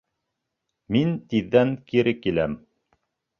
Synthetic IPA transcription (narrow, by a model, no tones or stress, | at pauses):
mint̪iðːæŋkiɾɘkilæm